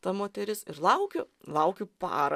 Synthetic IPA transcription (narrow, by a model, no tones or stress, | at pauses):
t̪ɐmoːt̪ʲɛɾʲɪsɪɾlˠɐʊkʲolˠɐʊkʲʊpɑ̰ːɾɐ